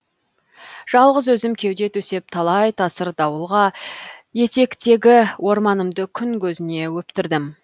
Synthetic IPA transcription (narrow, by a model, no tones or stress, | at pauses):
ʒ̥ɑlˠʁəzwɵzɪmkʲʰe̞wd̪e̞t̪ʰɵse̞p̚t̪ʰɑlˠɑjt̪ʰɑsəɾd̪ɑwəlˠʁɑje̞t̪e̞kt̪e̞ɡʲɪwo̞ɾmɑnəmd̪əkʲʰʏŋkʲʰɵzɪne̞wɵpt̪ɪɾd̪ɪm